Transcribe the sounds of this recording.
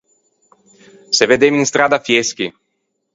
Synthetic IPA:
seved̪eminst̪ɾaːd̪afjesk̟i

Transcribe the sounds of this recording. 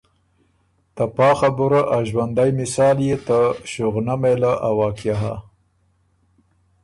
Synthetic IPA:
t̪apɑːxabuɾaʔaʒwand̪ajmɪsɑːljet̪əʃʊɣnamelaʔawɑːkjaɦa̰

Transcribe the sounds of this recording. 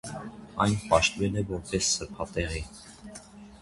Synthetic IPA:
ɑjnpɑʃt̪vɛlɛvɔɾpɛsːəɾpʰɑt̪ɛʁi

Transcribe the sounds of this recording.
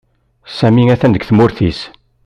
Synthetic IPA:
sæmiŋæθænd̪əɡθmʊɾθis

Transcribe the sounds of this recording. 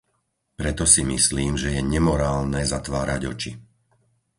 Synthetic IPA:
pɾɛt̪ɔsimisliːmʒɛjɛɲɛmɔɾaːlnɛzat̪ʋaːɾaɟɔ̰t͡ʃi

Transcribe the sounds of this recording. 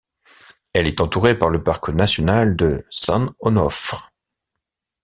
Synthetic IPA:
ɛlɛt̪ɑ̃t̪uʁepaʁləpaʁknasjɔnald̪əsɑ̃nɔnɔf

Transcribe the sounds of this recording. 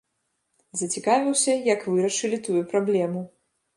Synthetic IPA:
zɐt͡sʲikavʲiwsʲɐjɐkvɨɾɐʂɨlʲit̪ujupɾablʲɛmu

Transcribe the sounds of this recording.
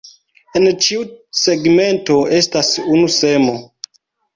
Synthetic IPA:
ent͡ʃiuse̞ɡme̞nto̞e̞stasunusemo̞

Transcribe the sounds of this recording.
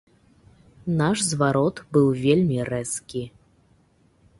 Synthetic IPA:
naʂzvaɾɔt̪bɨwvʲelʲmʲirɛskʲi

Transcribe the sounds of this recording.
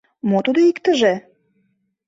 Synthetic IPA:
mot̪ud̪oikt̪ə̆ʒe

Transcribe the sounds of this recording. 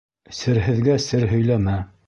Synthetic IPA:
sɘ̆ɾɦɘ̆ðɡæsɘɾɦɵ̆jlæmæ

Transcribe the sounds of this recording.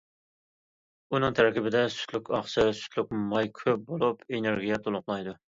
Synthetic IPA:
unɨŋt̪ʰæɾkʲibɪd̪ɛsy̥t̪lykʲʰɑχʃʰɨsy̥t̪ʰlyk̚ʲmɑjkʲʰøp̚bolˠupʰeneɾɡʲijɛt̪ʰolˠʊqlˠɑjd̪u

